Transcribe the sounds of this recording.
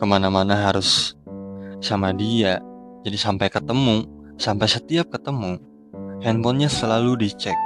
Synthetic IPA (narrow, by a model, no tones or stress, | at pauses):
kəmanamanaɦaɾʊs | samadia | d͡ʒadisampajkət̪əmu | sampajsət̪iap̚kət̪əmu | hɛnbɔnɲasəlaludit͡ʃɛk̚